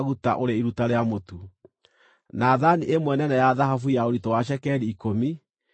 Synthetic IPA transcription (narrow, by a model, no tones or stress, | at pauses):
ɣuta̰ʔoɾeiɾutaɾeamotu | naːðaniʔemwɛnɛnɛjaðahafujaoɾitɔwaʃ̬ɛkɛɾiːkomi